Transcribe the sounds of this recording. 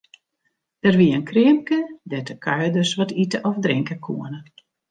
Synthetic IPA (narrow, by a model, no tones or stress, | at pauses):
dərʋiəənkʰrɪəmkədɛtəkʰœɥjdøsʋɔtitəʔɔfdrɪŋkəkʰuənə